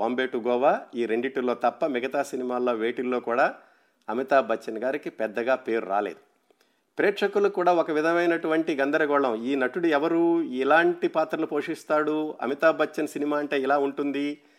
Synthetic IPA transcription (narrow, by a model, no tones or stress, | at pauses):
ʋaːmbeːʈuɡɔːʋaːiːɾeɳɖiʈulo̞ːt̪ɐpːɐmɛɡɐt̪aːsinimaːloːʋeːʈilo̞ːkuːɽaː | ɐmit̪aːbʱɐt͡ʃːɐnɡaːɾikipɛd̪ːɐɡaːpe̞ːɾuɾa̰ːleːd̪u | pɾeːʈʂɐkulukuːɽaːɔkɐʋid̪ʱɐmɐjnɐʈuʋɐɳʈiɡɐnd̪ɐɾɐɡɔɭːɐmiːnɐʈuɽuɛʋɐɾuilaːɳʈipaːt̪ɾɐnupo̞ːʂist̪aːɽuɐ̰mit̪aːbʱɐt͡ʃːɐnsinimaːɐɳʈe̞ːilaːuɳʈund̪i